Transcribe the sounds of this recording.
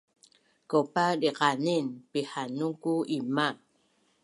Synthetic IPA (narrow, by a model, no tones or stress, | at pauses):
kopadiqaninpihanuŋkuiman